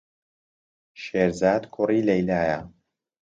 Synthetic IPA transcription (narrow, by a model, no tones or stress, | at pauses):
ʃeːɾzaːd̪kʰʊriːlɐjlaːjɐ